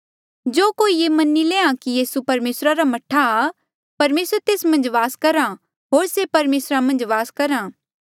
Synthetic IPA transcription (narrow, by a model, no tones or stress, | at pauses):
d͡ʒoːkoːijeːmɐnileːãkijiːsupɐɾmeːsɾaɾamɐʈʰa | pɐɾmeːsɾt̪eːsmɐ̃nd͡ʒʋaːskɐɾã | ɦoːɾsepɐɾmeːsɾamɐ̃nd͡ʒʋaːskɐɾãː